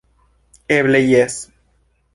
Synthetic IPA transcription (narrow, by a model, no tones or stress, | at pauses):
eβlejes